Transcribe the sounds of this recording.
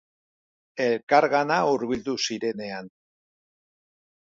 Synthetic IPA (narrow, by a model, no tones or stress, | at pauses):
e̞lkaɾɣanauɾβild̪usiɾe̞ne̞an